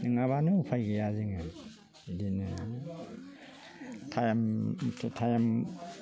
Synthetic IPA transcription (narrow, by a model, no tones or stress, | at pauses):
nɯŋaβanɯupʰajɡɯjaziŋa | idinɯ | tʰajamʰtʰajam